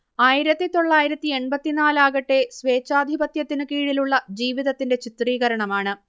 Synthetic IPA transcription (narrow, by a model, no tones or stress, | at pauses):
aːjiɾɐt̪ːit̪o̞ɭːaːjiɾɐt̪ːie̞ɳbɐt̪ːinaːlaːɣɐʈːe̞sʋe̞ːt͡ɕːaːd̪ʱibɐt̪jɐt̪ːinɨkiːɻiluɭːɐd͡ʑiːʋiðɐt̪ːinde̞t͡ɕit̪riːɣɐɾɐɳɐmaːɳɨ